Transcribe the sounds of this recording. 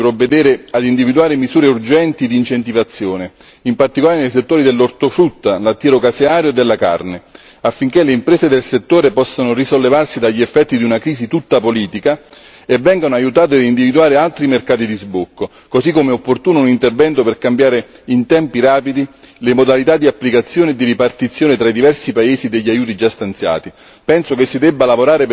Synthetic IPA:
pɾovːed̪ɛːɾɪad̪ind̪ivid̪uaːɾemizuːɾeurd͡ʒɛnt̪id̪int͡ʃent̪ivat̪sːjoːne | impart̪ikolaːɾenejs̬et̪ːoːɾid̪elːort̪ofɾut̪ːalat̪ːiːɾokaseaːɾjoed̪ːelːaka̰rne | afːiŋk̟eleimpɾɛːzed̪elset̪ːoːɾepɔsːanorisolːevarsid̪aʎːiɛfːɛt̪ːid̪iunakɾiːsit̪ut̪ːapoliːt̪ika | evːɛŋɡanoajut̪aːt̪̬edind̪ivid̪uaːɾealt̪ɾimerkaːt̪id̪izbukːo | kosikːomeopːort̪uːnounint̪ervɛnt̪operkambjaːɾe | int̪ɛmpiɾaːpid̪i | lemod̪alit̪ad̪ːiapːlikat̪sːjoːned̪ːiɾipart̪it̪sːjoːnet̪ɾaid̪ivɛrsipaeːzid̪eʎːiajuːt̪id͡ʒast̪ant̪sja̰ːt̪i | pɛnsokesːid̪ɛbːalavoɾaːɾe

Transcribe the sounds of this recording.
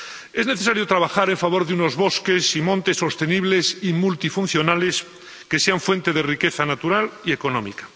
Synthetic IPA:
ezne̞θesaɾjot̪ɾaβ̞axaɾeɱfaβo̞ɾðeuno̞zβoskesimõnt̪esːo̞st̪e̞niβlesimult̪ifunθjo̞nales | keseaɱfwe̞nt̪e̞ðerikeθanat̪uɾaliekonõmḭkḁ

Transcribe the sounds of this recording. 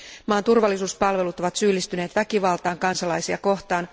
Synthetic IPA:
mɑːnt̪urʋɑlːisuːspɑlʋe̞lut̪oʋɑt̪syːlːist̪yne̞ːt̪ʋækiʋɑlt̪ɑːŋkɑnsɑlɑjsiɑko̞ht̪ɑːn

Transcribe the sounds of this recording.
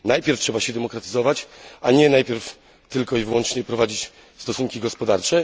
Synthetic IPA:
najpʲjɛɾftʂɛbaɕɛd̪ɛmɔkɾat̪ɘ̥zɔvat͡ɕaɲɛnajpʲjɛɾf | t̪ɘlkɔivɘwɔnt͡ʂɲɛpɾɔvad͡ʑit͡ɕ | st̪ɔsuŋkʲiɡɔspɔd̪aɾt͡ʂɛ

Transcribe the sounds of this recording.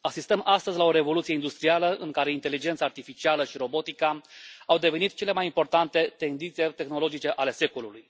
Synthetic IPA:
asist̪əmʔast̪əzʲlao̞ɾe̞vo̞lut̪sijeind̪ust̪ɾialəʔɨŋkaɾe̞int̪e̞lid͡ʒe̞nt̪saːrt̪ifit͡ʃialəʃiɾo̞bo̞t̪ikaawd̪e̞ve̞nit̪t͡ʃe̞le̞majimpo̞rt̪ant̪e̞t̪e̞nd̪int̪siet̪e̞xno̞lo̞d͡ʒit͡ʃe̞ʔale̞se̞koluluj

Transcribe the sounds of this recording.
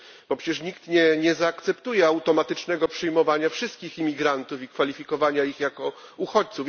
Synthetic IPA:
b̥ɔpʂɛt͡ɕɛʂ̬ɲikt̪ɲɛɲɛzaːkt̪sɛpt̪ujɛawt̪ɔmat̪ɘt͡ʂnɛɡɔpʂɛjmɔvaɲafʂɘst̪̚kʲiximʲiɡɾant̪ufikfalʲifʲikɔvaɲaixjakɔ | uxɔt͡ɕt̪suf

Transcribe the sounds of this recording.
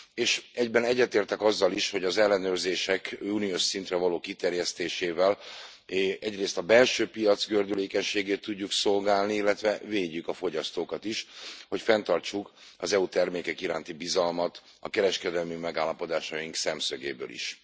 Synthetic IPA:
eːʃɛɟbɛnɛɟːɛt̪eːrt̪ɛkɒzːɒliʃho̞ɟɒzɛlːɛnøːrzeːʃɛkuːnioʃsint̪rɛvɒloːkit̪ɛrjɛst̪eːʃeːvɛl | ɛɟreːst̪ɒbɛlʃøːpijɒt̪zɡørd̪yleːkɛɲʃeːɡeːt̪ːuɟːukso̞lɡaːlniilːɛt̪ʋɛveːɟːykɒfo̞ɟɒst̪oːkɒt̪iʃho̞cfɛnt̪ɒrt͡ʃuk | ɒzɛut̪ɛrmeːkɛkiɾa̰ːnt̪ibizɒlmɒt̪ | ɒ̰kɛɾɛʃkɛd̪ɛlmimɛɡaːlːɒpo̞d̪aːʃɒjiŋksɛmsøɡḛːbø̰ːlḭʃ

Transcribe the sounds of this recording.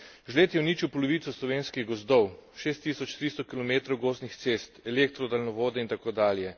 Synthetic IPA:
ʒleːt̪jɛwniːt͡ʃiwpɔlɔʋiːt̪sɔslɔʋeːnskiɣɡɔzd̪ɔwʃeːst̪ːisɔt͡ʃt̪ɾist̪ɔkilɔmeːt̪ɾɔwɡoːznixt̪sest̪ɛlek̚t̪ɾɔd̪alnɔʋoːd̪ɛint̪akoːd̪aːljɛ

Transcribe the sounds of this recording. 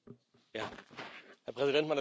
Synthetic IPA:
jaː | hɛɐpʁ̥ɛzidɛntmana

